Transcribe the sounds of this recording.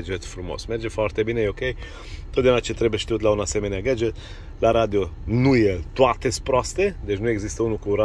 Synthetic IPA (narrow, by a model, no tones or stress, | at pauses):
d͡ʒɛt̪fɾumo̰smɛɾd͡ʒefɔɾt̪ebinejokej | t̪ot̪eunat͡ʃet̪ɾɛbeʃt̪iut̪launasemeneaɡad͡ʒɛt̪ | laɾad̪jonujet̪wat̪esʲpɾast̪ed̪et͡ʃnuɛɡzist̪əunukuɾa